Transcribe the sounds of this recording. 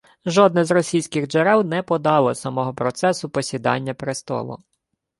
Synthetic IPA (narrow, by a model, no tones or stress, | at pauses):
ʒɔd̪̚nɛzrɔsʲijsʲkɪxd͡ʒeɾɛwnɛpɔd̪ɑlˠɔsɐmɔɦɔpɾɔt̪sɛsʊpɔsʲid̪ɑ̰nʲːɐpɾest̪ɔ̰lˠʊ̰